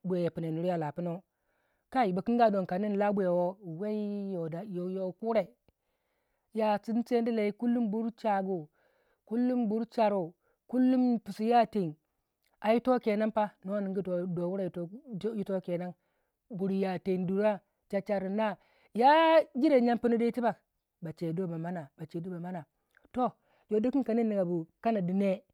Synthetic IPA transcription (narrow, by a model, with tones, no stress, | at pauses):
bʷe˨je˨pi˨ne˨nu˨ɾi˦a˦˨la˨pu˦no˦ | ka˦i˨ba˨ki˦ŋ˦ɡa˦˨do˨nka˨ni˦n˨la˦bʷu˦e˨wo˦we˦i˦jo˨da˨jo˨jo˨ku˦ɾe˨ | ja˨t͡si˦n˦t͡se˦n˦di˦la˨i˦ku˦lːu˦mbu˦ɾt͡ʃa˨ɡu˨ | ku˦lːu˦mbu˦ɾt͡ʃa˨ɾo˨ | ku˦lːu˦mpu˨si˨ja˦te˨n | a˨ji˦to˦ke˨na˦pa˦no˦wa˦ni˨ŋɡi˦˨do˨wu˦ɾa˨jju˦to˦ke˨na˦n | bu˨ɾja˨te˨ndu˨ɾa˦ | t͡ʃa˨t͡ʃa˨ɾu˨na˦ | ja˦d͡ʒi˦ɾe˨ɲa˦mpi˦nu˦di˦i˦ti˦ba˨k | ba˨t͡ʃe˨do˦˨ba˨ma˦na˨ba˨t͡ʃe˨du˦ba˨ma˦na˨ | to˦ | jo˨di˦ki˦nka˨ni˦nːi˨ɡa˨bu˨ka˦na˨di˨ne˦